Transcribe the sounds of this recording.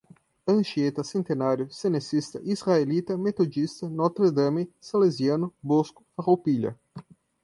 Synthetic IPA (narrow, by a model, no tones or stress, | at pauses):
ɐ̃nʃiet̪ɐsẽnt̪enaɾjʊsenesist̪ɐʔisʁaelit̪ɐmet̪od͡ʒist̪ɐnɔt̪ɾed̪ɐmisaleziɐnʊboskʊfaʁowpiʎɐ̰